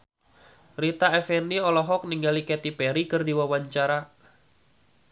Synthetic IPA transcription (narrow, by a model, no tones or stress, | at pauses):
ɾit̪aɛfɛniɔlɔɦɔk̚niŋɡalikɛt̪ipɛɾikɨrdiwawaɲt͡ʃaɾa